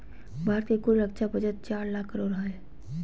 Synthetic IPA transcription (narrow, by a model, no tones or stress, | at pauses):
bʱaːɾt̪ekuɽɾəkt͡ʃʰabəd͡ʒət̪̚t͡ʃaːɾlakʰːəɾoːɾɦae